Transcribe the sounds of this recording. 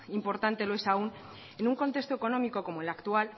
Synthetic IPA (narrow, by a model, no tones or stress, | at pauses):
impo̞ɾt̪ant̪e̞loe̞saun | enuŋko̞nt̪e̞st̪oeko̞no̞miko̞ko̞moelakt̪ual